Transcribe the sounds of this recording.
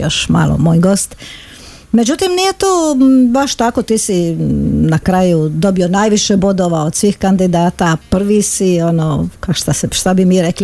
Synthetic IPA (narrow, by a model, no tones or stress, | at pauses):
jo̰ʃma̰ːlo̰moːjɡo̞ːst̪ | me̞d͡ʑut̪imnije̞t̪oːbaʃt̪ako̞t̪iːsinakɾajud̪o̞bio̞najʋiʃebo̞d̪oʋaod̪̥sʋiːxkand̪id̪aːt̪apr̩ʋisionokaʃt̪aseʃt̪abimiːɾekli